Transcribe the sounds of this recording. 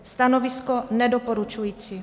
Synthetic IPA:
st̪anoviskonɛdopoɾut͡ʃujiːt͡si

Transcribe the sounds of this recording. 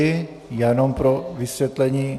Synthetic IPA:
e | jɛnompɾoʋisʋjɛt̪lɛɲiː

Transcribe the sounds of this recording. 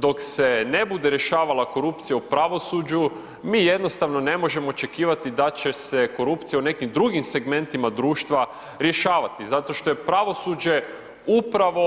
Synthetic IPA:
d̪o̞kse̞ne̞bud̪eɾje̞ʃaːʋalako̞ɾupt̪sijaupɾaʋo̞suːd͡ʑu | miːjed̪no̞st̪aʋno̞ne̞mo̞ʒe̞moːt͡ʃe̞kiːʋat̪id̪at͡ɕe̞se̞ko̞ɾupt̪sijaune̞kimd̪ɾuɡimse̞ɡme̞nt̪imad̪ɾuːʃt̪ʋa | ɾje̞ʃaːʋat̪izat̪o̞ʃt̪o̞je̞pɾaʋo̞sud͡ʑe̞ | upɾaʋo̞

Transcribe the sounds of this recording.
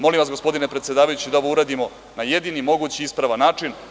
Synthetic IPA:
mo̞limʋasɡo̞spo̞d̪inepɾet̪sje̞d̪aːʋajut͡ɕid̪aoʋouɾad̪imo̞ | naje̞d̪inimo̞ɡut͡ɕiispɾaʋanaːt͡ʂin

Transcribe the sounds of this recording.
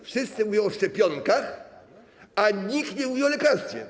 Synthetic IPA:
fʂɨst̪sɨmuvjɔ̃ɔʂt͡ʂɛpʲjɔŋkax | aɲikt̪ɲɛmuvʲjɔ̃w̃lɛkaɾst̪fʲɛ̰

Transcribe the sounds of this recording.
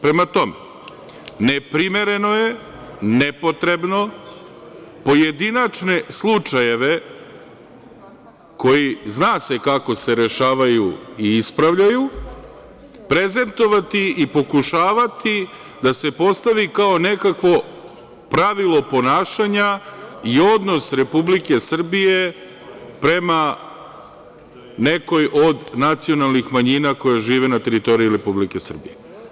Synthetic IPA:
pɾe̞mat̪o̞mḛ | nepɾimeɾe̞no̞je | nepo̞t̪ɾe̞bno̞ | po̞je̞d̪inat͡ʃne̞slˠut͡ʂaje̞ʋe̞ | ko̞jiznaːse̞kako̞se̞ɾe̞ʃaːʋajuiispɾaʋʎaju | pɾe̞ze̞nt̪o̞ʋat̪iipo̞kuʃaːʋat̪i | d̪ase̞po̞st̪aʋikao̞ne̞kakʋo̞ | pɾaʋilˠo̞po̞naːʃaɲaio̞d̪no̞sɾe̞publike̞sr̩bije̞ | pɾe̞ma | ne̞ko̞jʔo̞d̪nat̪sio̞nalˠnixmaɲinako̞jaʒiːʋe̞nat̪e̞ɾit̪o̞ɾijiuɾe̞publike̞sr̩bije

